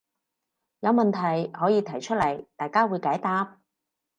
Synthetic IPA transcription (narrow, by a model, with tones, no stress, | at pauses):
jɐ˨˧wmɐ˨nt̪ʰɐ˨˩jhɔː˨˥jiː˨˧t̪ʰɐ˨˩jt͡ʃʰɵ˥t̚lɐ˨˩jt̪aː˨˧jkaː˥wuː˨˧jkaː˨˥jt̪aː˧˥p̚